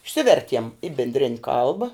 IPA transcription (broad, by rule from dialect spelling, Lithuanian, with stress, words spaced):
ɪʃʲˈsʲɪʋʲɛrʲtʲiɛm ɪ bʲɪnʲˈdʲrʲɪnʲ ˈkɐlˠbɐ